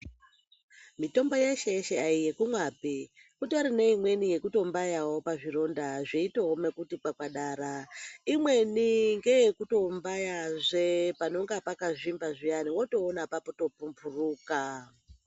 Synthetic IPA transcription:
mito̞mbo̞jeʃejeʃeaijekumwabe | kutoɾine̞imwe̞nije̞kuto̞mbajawo̞paʐiro̞ndaʐeitoome̞kutikwakwaɗaːɾaimwe̞niŋɡe̞jekuto̞mbajaʐepano̞ŋɡapakaʐimbaʐijaniwo̞to̞ːnapapoto̞pumpuruːka

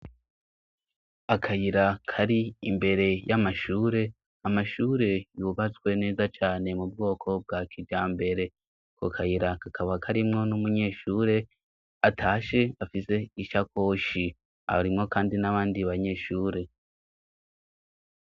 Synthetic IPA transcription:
akʰajiɾakʰaɾiimbe̞ɾe̞jamaʃuːɾe̞ | amaʃuːɾe̞juβat͡skwe̞ne̞ːzat͡ʃaːne̞mub̚ɡo̞ːkʰo̞b̚ɡakʰid͡ʒd͡ʒaːmbe̞ɾe̞ | kʰo̰kʰajiɾakakʰaβakʰaɾimŋo̞numuɲe̞ːʃuːɾe̞ | atʰaːʃe̞afise̞iʃako̞ːʃi | a̰ɾimŋo̞kaːndinaβaːndiβaɲe̞ʃuːɾe̞

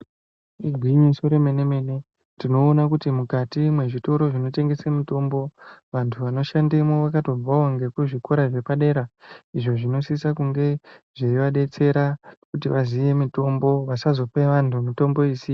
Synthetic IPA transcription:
iɡʱwiɲisoɾe̞me̞ne̞me̞ne̞ | dino̞ːnakutimukatimwe̞ʐito̞ɾo̞ʐino̞te̞ŋɡe̞semito̞mbo̞ʋantʰuʋano̞ʃandemoʋakato̞b͡vaoŋɡe̞kuʐiko̞ɾaʐe̞paɗe̞ːɾaiʐo̞ʐino̞sisakuŋɡe̞ʐeiʋaɗe̞t͡se̞ɾakutiʋaziʋe̞mito̞mbo̞ʋasazo̞peʋantʰumito̞mbo̞iːsi

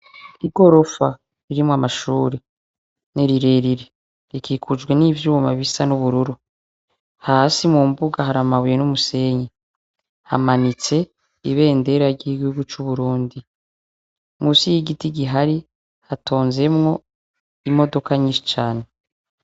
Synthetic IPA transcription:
iɡo̞ɾo̞fa | ɾiɾimwamaʃuːɾe | neɾiɾe̞ːɾiɾe | ɾikiːkʰud͡ʒɡwe̞niːvjuβmaβisanuβuɾuɾu | haːsimumbuɡahaɾamaβuje̞numuse̞ːɲe | ha̰manit͡se̞ | iβe̞ːnde̞ɾaɾɟiːɡuuɡut͡ʃuβuɾuːndi | musijiɡitiɟiɦaɾi | hatʰo̞ːnze̞mŋo̞ | imo̞do̞kaɲiʃi̥t͡ʃaːne̞

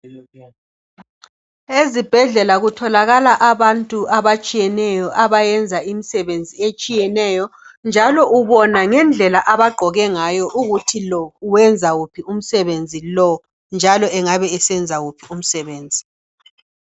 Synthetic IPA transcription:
ezib̥ʱɛɮɛlaɣutʰɔlaɣalaʔaβantʼuaβat͡ʃʼijɛnɛjɔʔaβajɛnd͡zʱaimisɛβend͡zʱiet͡ʃʼijɛnɛjɔnd͡ʒʱalɔuβɔnaŋɛnd͡ɮʱɛlaʔaβaɡ͡ǃʱɔɣɛŋajɔʔuɣutʰilɔuwɛnd͡zʱaɣupʰium̩sɛβend͡zʱilɔ | nd͡ʒʱalɔɛŋaβɛːsɛnd͡zʱaɣupʰium̩sɛβeːnd͡zʱi

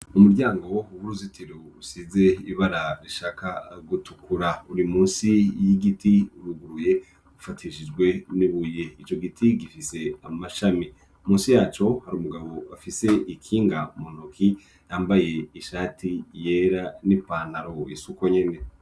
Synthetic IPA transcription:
umuɾɟaːŋɡo̞uwuɾuzitʰiɾousize̞iβaɾaɾiʃaːkaɡutukuɾauɾimuːnsijiɡitiuɾuɡuɾuje̞ | ufatʰiʃid͡ʒɡwe̞niβujeit͡ʃo̞ɡitʰiɡifise̞amaʃami | muːnsijaːt͡ʃo̞haɾuːmuɡaβo̞afise̞ikʰiːŋɡamon̥okʰi | jaːmbaje̞iʃaːtʰije̞ːɾanipaːnaɾo̞isuko̞ɲe̞ne̞

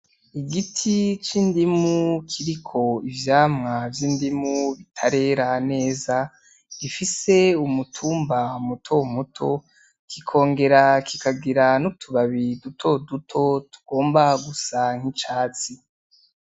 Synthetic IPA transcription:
iɡitʰit͡ʃiːndimukʰiɾikʰo̞ivjaːmŋavjiːndimuβitʰaɾe̞ɾane̞ːza | ɡifise̞umutʰuːmbaumutʰo̞mutʰo̞ | kʰikʰo̞ːŋɡe̞ɾakʰikaɡiɾanutʰuβaβidutʰo̞dutʰo̞tu̥ɡ̥o̞ːmbaɡusaŋ̥hit͡ʃaːt͡si

